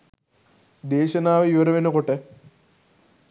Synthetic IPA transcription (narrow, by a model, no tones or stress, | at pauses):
d̪eːʃɐnaːʋɐiʋɐɾɐʋenɐkoʈə